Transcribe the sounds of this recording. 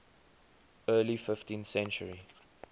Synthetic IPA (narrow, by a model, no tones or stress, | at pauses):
ɜːlifɪftĩnθsɛ̃nt͡ʃə̰ɹi